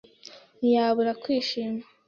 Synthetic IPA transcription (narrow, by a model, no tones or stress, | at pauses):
njaːβuɾakwiːʃiːma